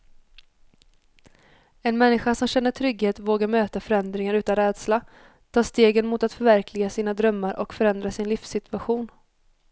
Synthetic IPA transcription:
ɛnmɛnːɪɧasɔmɕɛnːəʈʰɾʏɡheːt̪voːɡaɾmøːt̪afœɾɛnd̪ɾɪŋaɾʉ̟ːt̪anɾɛːd̪sla | t̪ʰɑːʂt̪eːɡənmʊt̪at̪fœɾvæɾklɪɡasiːnad̪ɾœmːaɾʔɔkfœɾɛnd̪ɾasɪnlɪfsɪt̪ɵaɧuːn

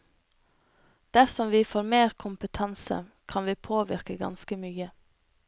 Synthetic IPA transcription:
d̪̥æɾsɔmʋiːfoːɾmeːɾkʰʊmpət̪ʰɑnsə̰kʰɑnʋiːpʰoːʋɪɾkəɡɑ̰nskəmyːə

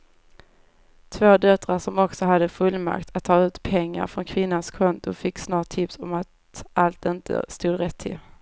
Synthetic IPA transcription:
t̪ʰvoːd̪œt̪ːɾaʂɔmɔksɔɦad̪ːəfɵlːma̰kt̪ʰat̪ʰːɑːʉ̟ːt̪pʰɛŋːa̰ɾfɾɔnkʰvɪnːanskʰɔnt̪ʊfɪkːsnɑːʈ̚ʰːɪpsɔmat̪ | ʔalt̪ɪnt̪ə̰st̪uːd̪ɾɛt̪ʰːɪ̰l

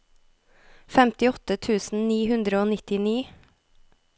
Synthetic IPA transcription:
fɛmt̪ɪɔt̪ət̪ʰʉːsn̩niːhʉnd̪ɾəoːnɪt̪ɪniː

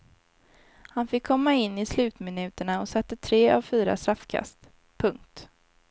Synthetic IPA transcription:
hanfɪkʰːɔmːaɪnːɪslʉ̟ːt̪mɪnʉ̟ːt̪əɳaɔsɛt̪ːət̪ʰɾeːʔavfyːɾa̰st̪ɾafːkʰa̰st̪ | pʰɵŋk̚t̪

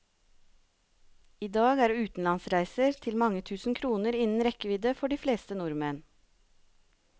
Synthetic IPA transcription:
iːd̪ɑːɡæːɾʉːt̪n̩lɑnsɾæɪsəɾt̪ʰɪlmɑŋət̪ʰʉːsn̩kʰɾuːnəɾɪnn̩ɾɛkəʋid̪əfɔɖiːfleːst̪ənuɾmeːn

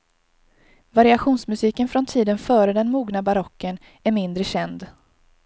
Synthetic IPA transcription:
vaɾɪaɧuːnsmɵsiːkənfɾɔnt̪ʰiːd̪ənfœːɾəd̪ɛnmuːɡnabaɾɔkːən | æɾmɪnd̪ɾəɕɛnd̪

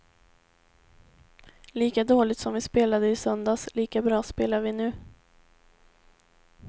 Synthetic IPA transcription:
liːkad̪oːlɪt̪sɔmvɪspeːlad̪əɪsœnd̪asliːkabɾɑːspeːlaɾvɪnʉ̟ː

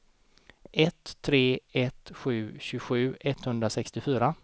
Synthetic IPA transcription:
ɛt̪ʰːɾeːɛt̪ɧʉ̟ːɕʉɡɧʉ̟ːʔɛt̪ːhɵnd̪ɾasɛkst̪ɪfyːɾa

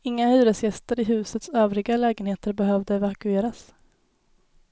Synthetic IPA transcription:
ɪŋːahʉ̟ːɾəsjɛst̪əɾɪɦʉ̟ːsət̪søːvɾɪɡalɛːɡənheːt̪əɾbɛɦœvd̪əɛvakɵeːɾas

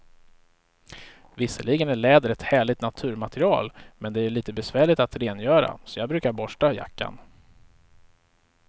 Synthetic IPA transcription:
vɪsːəɭɪɡənæɭɛːd̪əɾɛt̪hæːɭɪt̪nat̪ʰʉ̟ːɾmat̪əɾɪɑ̰ːlmɛnd̪ɛæɭiːt̪əbɛsvæːɭɪt̪at̪ɾeːnjœːɾa̰sɔjɑːɡ̚bɾʉ̟ːkaɾbɔʂʈaja̰kːa̰n

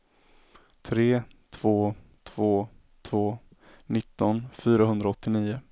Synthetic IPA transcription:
t̪ʰɾeːt̪ʰv̥oːt̪ʰv̥oː | t̪ʰvoː | nɪt̪ːɔnfyːɾaɦɵnd̪ɾaɔt̪ːɪniːʊ

